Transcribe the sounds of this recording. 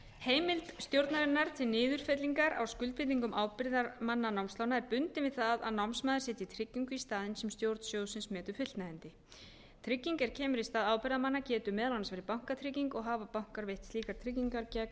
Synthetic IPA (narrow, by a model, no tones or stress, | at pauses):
heːjmɪlt̪st̪jowɾt̪naɾɪnːaɾ̥t̪ʰɪlnɪːðʏɾ̥fɛt̪liŋkaɾa̰wskʏlt̪̚pʰɪt̪iŋkʏmaːwpɪɾðaɾmanːanawmst̪lawnaɛɾpʏnt̪ɪvɪðθaða̰ðnawmsmaːðɾ̥sɛːt̪ɪit̪ʰɾɪcːiŋkʏist̪aːðɪnsɛmst̪jowɾt̪n̥sjoːwsɪnsmɛːt̪ʏ̥fʏt̪t̪naɪnt̪ɪ | t̪ʰɾɪcːiŋkɛɾ̥cʰɛːmʏɾist̪aːðaːwpɪɾðamanːacɛːt̪ʏmɛːðalansvɛːɾɪpawŋ̥kat̪ʰɾɪciŋkɔɣɦaːvapawŋ̥kaɾvejht̪sliːkaɾ̥t̪ʰɾɪc̬iŋkaɾcak